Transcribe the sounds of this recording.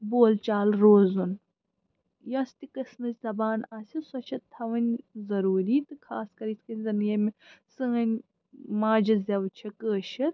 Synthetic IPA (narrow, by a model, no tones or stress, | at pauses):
boːlt͡ʃaːlɾoːzun | jɐst̪ikɐsnɨzʲzɐbaːnaːsʲɐsɐt͡ʃʰɐt̪ʰɐʋɐnʲzɐɾuːɾiːt̪ɨkʰaːskɐɾit̪ʰʲkɐnʲzɐnjɐmesɨːɐnʲ | maːd͡ʒɐzʲɐʋt͡ʃʰɐkəːʃɐt̪̚